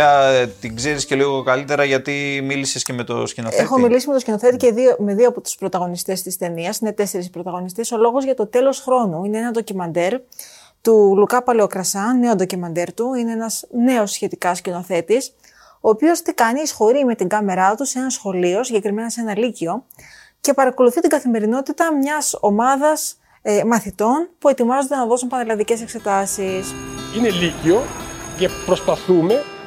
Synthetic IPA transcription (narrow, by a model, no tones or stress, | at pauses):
ɐt̪iɡze̞ɾisceliɣokɐlit̪e̞ɾɐʝɐt̪imilisesce̞me̞t̪oscinoexo̞milisimet̪ocʲino̞θe̞t̪iceðiomeðioɐpot̪u̥spɾot̪ɐɣo̞nist̪e̞st̪ist̪e̞niɐsine̞t̪e̞se̞ɾispɾot̪ɐɣo̞nist̪eso̞lo̞ɣo̞zʝɐt̪o̞t̪e̞lo̞sxɾo̞nuineenɐnd̪o̞cimɐnd̪e̞ɾ | t̪ulukɐpɐleokɾɐsɐne̞ond̪ocimɐnd̪e̞ɾt̪uine̞enɐzne̞o̞sçe̞t̪ikɐscinoθe̞t̪is | o̞ːpio̞st̪ikɐniːsxo̞ɾime̞t̪iŋɡɐme̞ɾɐt̪use̞nɐsxo̞lio̞siɲɟe̞kɾime̞nɐse̞nɐlicio̞ | ce̞pɐɾɐko̞luθit̪iŋɡɐθime̞ɾino̞t̪it̪ɐmɲɐso̞mɐðɐs | mɐθit̪o̞npue̞t̪imɐzo̞nd̪enɐðo̞sunpɐnelɐnðice̞se̞kse̞t̪ɐsisine̞licio̞cepɾo̞spɐθume̞